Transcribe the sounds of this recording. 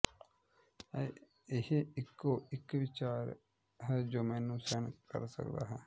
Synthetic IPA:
ɛ | ɪɦeɪkːoːɪkʋɪt͡ʃaːɾ | ɦɛːd͡ʒoːmɛːnũːsɛːɳkə̰ɾsə̰kd̪a̰ːɦɛː

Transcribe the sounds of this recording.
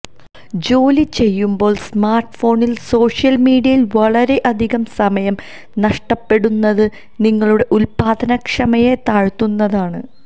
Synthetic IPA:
d͡ʑo̞ːlit͡ɕe̞jːumbo̞ːɭsmaːrʈfo̞ːɳilso̞ːʂijɐlmiːɽiɐjilʋɐɭɐɾe̞ʔɐd̪ʱiɣɐmsɐmɐjɐm | nɐʂʈɐpːe̞ɽunːɐðɨ | niŋːɐɭuɽe̞ʔulpaːd̪ʱɐnɐkʂɐmɐje̞t̪aːɻt̪ːunːɐðaːɳɨ

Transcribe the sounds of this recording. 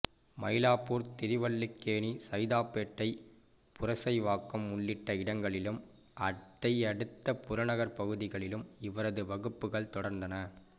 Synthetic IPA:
mɐjlaːpuːɾt̪ɪɾɪʋɐɭːɪkːeːɳisɐɪðaːpːeːʈːɐɪ | pʊɾɐsɐɪʋaːkːɐmʊɭːɪʈːɐɪɽɐŋɡɐɭɪlɯm | ɐt̪ːɐɪɐɽɯt̪ːɐpʊɾɐɳɐɣɐɾpɐɣɯðɪɣɐɭɪlɯmɪʋɐɾɐðɯʋɐɣɯpːɯɣɐɭt̪ɔɽɐɾnd̪ɐnɐ

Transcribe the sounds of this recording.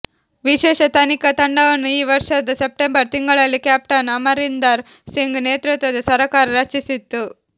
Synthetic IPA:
ʋiʃɛːʃɐt̪ɐnikɐt̪ɐɳɖɐʋɐnːuiːʋɐɾʂɐd̪ɐsep̚ʈembɐɾt̪iŋɡɐɭɐlːikjaːp̚ʈɐnɐmɐɾind̪ɐɾ | siŋɡneːt̪ɾut̪ʋɐd̪ɐsɐɾɐkaːɾɐɾɐt͡ʃisit̪ːu

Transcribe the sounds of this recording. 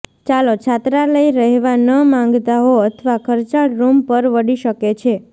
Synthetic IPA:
t͡ʃalot͡ʃʰat̪ɾaləiɾəɦeʋanəmãŋ̆ɡt̪aɦoət̪ʰəʋakʰəɾt͡ʃaɽɾumpəɾʋəɽiʃəket͡ʃʰe

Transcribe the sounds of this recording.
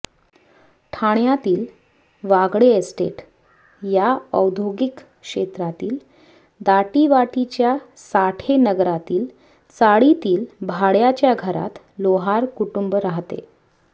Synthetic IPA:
ʈʰaɳjat̪iːl | ʋaɡɽeesʈḛʈ | jaəwd̪ʱjoɡik | ʂet̪ɾat̪iːl | d̪aʈiʋaʈit͡ɕjasaʈʰenəɡɾat̪iːl | t͡saɽit̪iːlbʱaɽjat͡ɕjaɡʱəɾa̰t̪ | loɦaɾkuʈumbəɾaɦt̪ḛ

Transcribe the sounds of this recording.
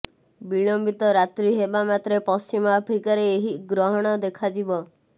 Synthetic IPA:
biɭɔmbit̪ɔɾat̪ɾiɦebamat̪ɾepɔst͡ʃimɔapʰɾikaɾeːɦiɡɾɔɦɔɽ̃ɔd̪ekʰad͡ʒibɔ

